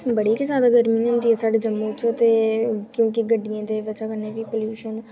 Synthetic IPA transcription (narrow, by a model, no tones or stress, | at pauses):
bəɽiːkɪsãːd̪aɡəɾmiːnənd̪iːesaːɖeːd͡ʒəmːũːt͡ʃt̪eːkjõːk̬ɪɡəɖːijãːd̪eːʋəːt͡ʃaːkəɾneːʋiːpoːljuːʃən